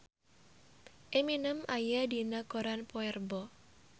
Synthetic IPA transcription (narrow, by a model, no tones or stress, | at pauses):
ʔeminəmajadinakoɾanpɔɛrbɔ